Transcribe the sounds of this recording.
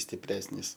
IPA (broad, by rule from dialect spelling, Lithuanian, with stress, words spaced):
sʲtʲɪˈpʲrʲæːsʲnʲiːs